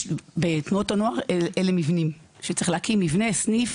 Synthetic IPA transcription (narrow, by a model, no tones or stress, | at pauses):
bet̪nuotanoaʁeelemivnim | ʃett͡seeχlehakimːivne̞snif